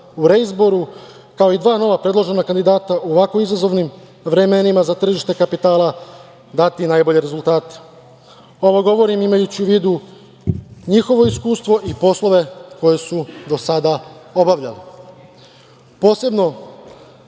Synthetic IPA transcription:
uɾeizbo̞ɾu | kao̞id̪ʋaːno̞ʋapɾe̞d̪lˠo̞ʒe̞nakand̪id̪aːt̪aʔuoʋako̞izazo̞ʋnim | ʋɾe̞me̞nimazat̪r̩ʒiʃt̪e̞kapit̪aːlˠa | d̪at̪inaːjbo̞ʎe̞ɾe̞zult̪aːt̪e̥ | o̞ʋoɡo̞ʋo̞ɾimimajut͡ɕiuʋiːd̪u | ɲixo̞ʋo̞iskuːst̪ʋo̞ʔipo̞slo̞ʋe̞ko̞je̞sud̪o̞sad̪ao̞baʋʎa̰le | po̞ːse̞bno̞

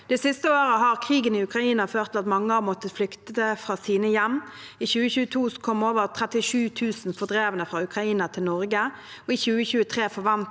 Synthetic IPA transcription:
d̪̥ɛsɪst̪əoːʁəɦɑʁkʰʁiːɡənɪʉkʁɑiːnɑføːʁt̪ʰlɑt̪mɑŋːəɑmɔt̪ːəflʏkt̪əəfʁɑːsiːnəjɛmː | içʉːəçʉːət̪ʰuːskʰɔmoːʋəʁt̪ʰʁɛt̪ɪʂʉːt̪ʰʉːsn̩fɔʁd̪ʁeːʋənəfʁɑːʉkʁɑiːnət̪ʰɪlnɔʁɡə | ɔiːçʉːəçʉːət̪ʰʁeːfɔʁʋɑnt̪

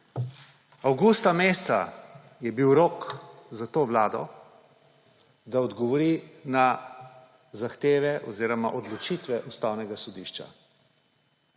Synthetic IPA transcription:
awɡust̪ameːst̪sa̰ | jɛbiwɾoːkzat̪oːʋlaːd̪ɔ̰ | d̪aɔd̪ɡɔʋɔɾina | zaxt̪eːʋɛʔɔziːɾɔma̰ʔɔd̪lɔt͡ʃit̪ʋɛʔust̪aːwnɛɡasɔd̪iːʃt͡ʃa̰

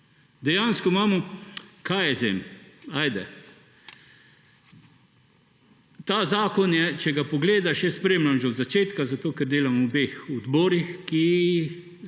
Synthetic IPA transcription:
d̪ɛjaːnskɔmaːmɔkajɛzḛmaːjd̪ɛ̰ | t̪aːzaːkɔnjɛt͡ʃɛɡapɔɡleːd̪aʃjɛspɾeːmlamʒɛɔd̪zat͡ʃeːt̪kazat̪oːkɛɾd̪eːlamubeːxɔd̪bɔːɾixki

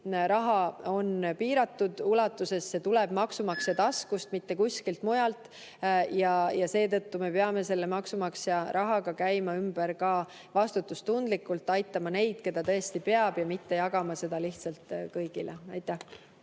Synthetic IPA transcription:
ɾɑɦɑo̞npiːɾɑt̪ːud̪̥ulɑt̪ˑːuse̞sse̞t̪ulɛb̥mɑksumɑkset̪ɑskust̪mit̪ːe̞kuskilt̪mujɑlt̪ːˑ | jɑjɑse̞ːt̪ɤt̪ːume̞peɑme̞se̞lːemɑksumɑksɑɾʔɑɦɑɡ̥ɑkæjmɑymb̥eɾkɑː | vɑst̪ut̪ːˑust̪und̪̥likːˑult̪ːˑɑjt̪ːˑɑmɑne̞jd̪̥ke̞d̪̥ɑt̪ɤ̞est̪ipe̞ɑb̥jɑmit̪ːe̞jɑɡ̥ɑmɑse̞d̪̥ɑliht̪sɑlt̪kɤjɡ̥ilʔḛɑ̰jt̪ˑːæh

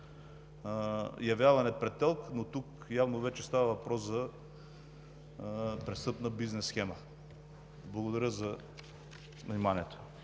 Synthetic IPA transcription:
jɐvjavɐnɛpɾɛt̪ːɛlˠknot̪uk | javnovɛt͡ʃɛst̪avɐvɐpɾɔszɐ | pɾɛst̪ɤpnəbiznɛsːxɛmə | blˠɐɡod̪ɐɾʲəzɐ | vnimaniɛt̪o̥

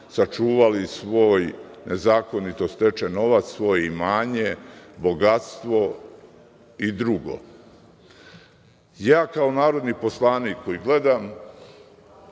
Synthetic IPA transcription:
sat͡ʃuːʋalisʋo̞ːj | ne̞zaːko̞nit̪o̞st̪e̞t͡ʃeno̞ʋat̪ssʋo̞ːjeimaːɲe̞bo̞ɡat̪st̪ʋo̞ | id̪ɾuɡo̞̰ | jaːkaonaːɾo̞d̪nipo̞slˠaːniːkːojiɡle̞d̪am

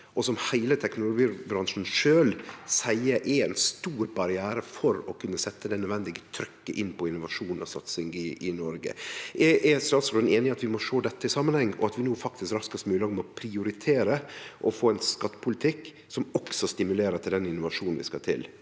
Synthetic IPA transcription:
ʔɔsɔmhæɪlət̪ʰɛknʊlʊɡiːbɾɑŋʂn̩ʂøːlsæɪəɾʔɛɾɛnst̪uːɾbɑɾɪæːɾəfɔɾɔkʰʉnːəsɛt̪ːəd̪ɛnœd̪ʋɛnd̪ɪɡət̪ʰɾʏkːəʔɪnːpɔɪnːʊʋɑʂuːnnɔ̰sɑ̰t̪sɪŋɡɪɪnɔɾɡə̰ʔɛʔɛst̪ɑːt̪slneːnɪŋɑt̪ʋɪmɔʂoːd̪ɛt̪ːəɪsɑmːənhɛŋːʔɔ̰ɑt̪ʋɪnuːfɑk̚t̪ɪskɾɑskəst̪mʉːlɑɡmɔpʰɾɪʊɾɪt̪ʰeːɾəʔɔfoːɛnskɑt̪ːə̥pʰʊlɪt̪ʰɪkː | sɔmɔksɔst̪ɪmʉleːɾət̪ʰɪld̪ɛnɪnʊʋɑʂuːnn̩ʋɪ̰skɑt̪ʰɪ̰l

